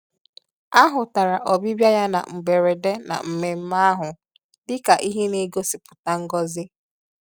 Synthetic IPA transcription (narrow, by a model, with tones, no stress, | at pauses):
a˦ɦʊ˨ta˨ɾa˨ʔɔ˨bi˦bja˦ja˦na̰˨ŋ͡m̩˨ɡ͡be˨ɾe˨de˦na̰˨m̩˨me˨m̩˦ma˦a˦ɦʊ˨ | dɪ˦ka˨ʔi˦ɦe˦ne˦ɡo˦sɪ˨pʊ̥˨ta˦ŋ̩˦ɡɔ˦zɪ˦